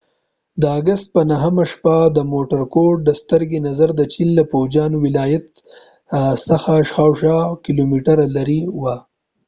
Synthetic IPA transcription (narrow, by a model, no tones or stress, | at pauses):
d̪əaɡast̪̚pənaɦəmaʃpad̪əmoʈaɾkoɖ̚d̪əst̪əɾɡenazaɾd̪ət͡ʃinlapowd͡ʒɑnwɪlɑjat̪ | saxaʃxawʃɑkɪlomiʈaɾalaɾiwa